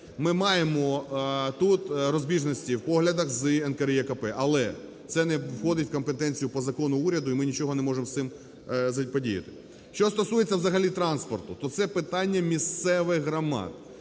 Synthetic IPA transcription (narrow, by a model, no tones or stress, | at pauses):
mɪmɑjemɔt̪ut̪ɾɔzʲbʲiʒnɔsʲtʲiwpɔɦlʲɐd̪ɐxzɨɛnkɐɾjɛkɐpɛʔɐlˠɛ | t̪sɛnɛwxɔd̪ɪtʲwkɔmpet̪ɛnʲt͡sʲijʊpɔzɐkɔnʊuɾʲɐd̪ʊimɪnʲit͡ʃɔɦɔnɛmɔʐemst̪ɪm | zɐpɔdʲijɐ̰t̪ɪ̥ | ʃt͡ʃɔst̪ɔsujet͡sʲːɐwzɐɦɐlʲit̪ɾɑnspɔrt̪ʊt̪ɔt̪sɛpɪt̪ɑnʲːɐmʲist̪sɛʋɪxɦɾɐmɑ̰t̪